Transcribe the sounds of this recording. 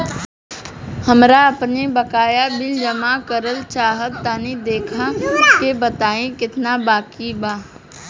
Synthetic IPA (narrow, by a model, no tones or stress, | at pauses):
hɐmɾaɐpnebɐkaːjabɪld͡ʒəmakəɾəlt͡ʃaːɦət̪ːaːnid̪eːkʰakebɐt̪aːẽkɪt̪nabaːkibaː